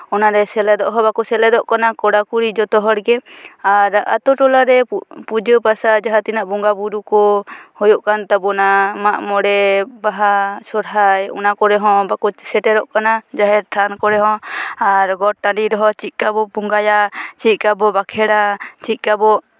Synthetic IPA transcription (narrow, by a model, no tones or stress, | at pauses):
ɔnaɾɛsɛlɛd̪ɔʔɦɔ̃bakɔsɛlɛd̪ɔʔkanakɔɽakuɾid͡ʒɔt̪ɔɦɔɽɡɛaɾa̰t̪ɔʈɔlaɾɛpud͡ʒəpasad͡ʒaɦat̪inaʔbɔŋɡabuɾukɔhɔjɔʔkant̪abɔnamaʔmɔɽɛbaɦasɔɾɦajɔ̰nakɔɾɛɦɔ̃bakɔsɛʈɛɾɔʔkanad͡ʒaɦɛɾʈʰankɔɾɛɦɔ̃aɾɡɔʈaɳɖiɾɔɦɔt͡ʃit̪̚ˀkabɔpuŋɡajat͡ʃit̪̚ˀkabɔbakʰɛɽat͡ʃit̪̚ˀkabɔ